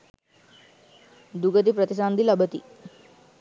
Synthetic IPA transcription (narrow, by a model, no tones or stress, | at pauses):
d̪uɡət̪̬ipɾət̪isand̪ilɐbət̪ḭ